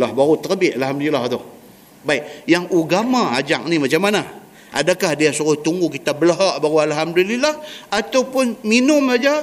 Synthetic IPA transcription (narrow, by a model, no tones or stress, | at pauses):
lahbaɾut̪ərbɪʔalhamd̪ulilaht̪ʊh | baiʔ̚jaŋuɡamaad͡ʒak̚nimat͡ʃamana | ʔa̰dakahdiasuɾʊht̪uŋɡukit̪abəlaɦaʔbaɾualɦamdulilahat̪awpʊnminʊmsad͡ʒa